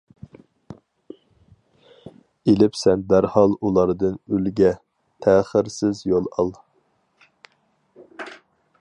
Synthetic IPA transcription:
elɪpsɛnd̪æɾhɑlˠulˠɑɾd̪ɨnylɡʲɛ | t̪ʰɛːχəɾsɪzjolˠɑ̰lˠ

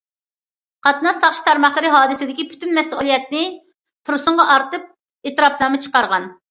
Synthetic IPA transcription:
qʰɑt̪nɑsɑχʃi̥t̪ʰæɾmɑχlˠɨɾɪɦɑːd̪ɨsɪd̪ɪkʲipʰy̥t̪ynmɛsṵlˠijɛt̪̚nɪ | t̪ʰuɾsʊɴʁɑʔɑɾt̪ɨp̚ | eːt̪ɨɾɑplˠɑmɨt͡ʃʰə̥qɑɾʁɑn

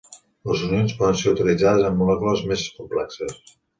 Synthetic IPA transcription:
ləzunionspɔðənseɾut̪ilid͡zaðəzəmːulɛkuləzmeskumplɛksəs

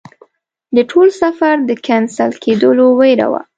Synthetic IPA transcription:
d̪əʈʰolsafaɾd̪əkansalkʰed̪əlowejɾa̰wa̰

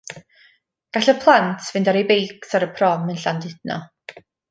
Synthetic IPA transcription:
ɡ̥aɬəpʰlˠantʰvɪndaɾejbejksaɾəpʰrɔmənɬandɪd̥nɔ̰

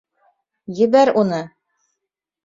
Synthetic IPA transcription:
jɘ̆βæɾunɤ

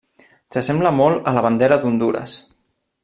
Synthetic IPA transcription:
səsɛmbləmɔlˠələβand̪eɾəd̪und̪uɾə̰s

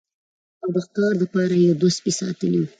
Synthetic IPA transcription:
awd̪əxkɑɾd̪əpɑɾajed̪ospisɑ̰t̪əliwu

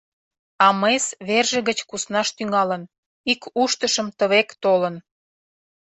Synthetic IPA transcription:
ɑmesβerʒĕɣət͡ɕkusnɑʃt̪yŋɑlən | ikuʃt̪əʃəmt̪əβekt̪olən

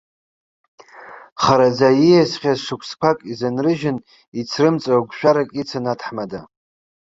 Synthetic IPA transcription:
χaɾad͡zajijasχʲazʂɨkʷʰskʷʰakʼizanrɨʒɪn | it͡sʰrɨmt͡sʼawɡʷʃᶣaɾakʼit͡sʰanatʰħmada

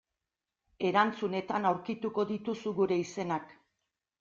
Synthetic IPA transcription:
e̞ɾant͡sune̞t̪anawɾkit̪uko̞ðit̪usuɣuɾe̞ise̞nak

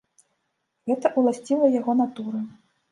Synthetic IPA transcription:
ɣɛt̪ɐʔulˠasʲt͡sʲilˠɐjaɣɔnat̪uɾɐ

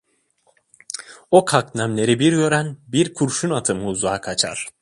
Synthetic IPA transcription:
o̞kʰaknæmlʲe̞ɾibiɾjø̞ɾænbiɾkʰuɾʃunat̪ʰɯmːzaːkʰat͡ʃʰa̰ɾ̥

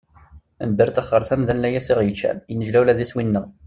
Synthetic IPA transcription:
əmbəɾt̪əχːəɾˤθæmðænlæjæsiʁjət͡ʃːæ̰jənəʒlæwlæðiswinːəʁ

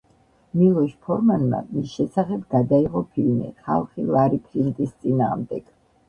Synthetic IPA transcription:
milˠɔʃpʰɔɾmanma̰misʃɛsaχɛbɡad̪aiʁɔpʰilmḭχa̰lˠχilˠaɾipʰɾint̪ʼist̪sʼinaːʁmd̪ɛɡ̥

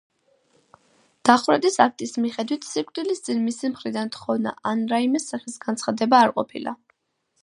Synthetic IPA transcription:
d̪̥aχvɾɛd̪isak̚ʰt̪ʼismiχɛd̪wit̪ʰsikʼt̪ʼilist̪sʼinmisimχɾid̪ant̪χɔvna̰ʔanɾaimɛsaχisɡansʰχad̪ɛbaːɾqʼɔ̰pʰḭla̰

